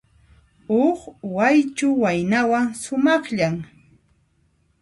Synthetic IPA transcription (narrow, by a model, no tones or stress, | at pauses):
oχwajt͡ʃʊwajnawaŋsʊmɑχʎaŋ